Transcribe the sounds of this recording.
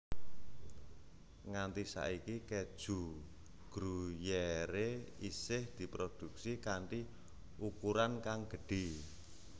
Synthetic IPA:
ŋant̪isa̰ʔikiked̥ʒ̥ṳ | ɡ̥ɾujeɾeisɪhd̪̥i̤pɾod̪̥ṳksikaɳʈi | ʔukuɾankaŋɡ̥ə̤ɖ̥e̤

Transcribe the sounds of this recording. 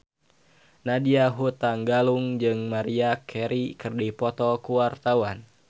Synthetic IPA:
nadiaɦut̪aŋɡaluŋd͡ʒɨŋmaɾiakʰɛɾikərdipɔt̪ɔkuwart̪awan

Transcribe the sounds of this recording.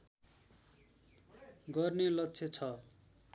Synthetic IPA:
ɡʌrnelʌtːt͡sʰet͡sʰʌ

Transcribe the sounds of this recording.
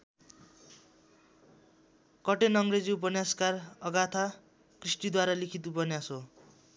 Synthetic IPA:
kʌʈenʌŋred͡ziup̬ʌnjaskarʌɡat̪ʰa | krisʈid̪waɾalikʰit̪upʌnjaso

